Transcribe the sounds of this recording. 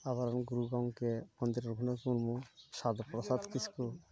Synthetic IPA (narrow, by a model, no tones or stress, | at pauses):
aβaɾanɡuɾuɡawŋkemɔnd̪iɾɔɾɡʱunakuɾmuʃad̪pɾɔsad̪kisku